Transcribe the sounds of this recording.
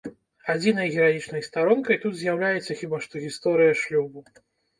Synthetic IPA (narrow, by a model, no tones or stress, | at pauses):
ad͡zʲinɐjɣʲɛɾajit͡ʂnɐjst̪aɾɔnkɐjt̪ut̪zʲjawlʲajɛt̪sːɐxʲibaʂt̪ɔɣʲist̪ɔɾɨjɐʂlʲubu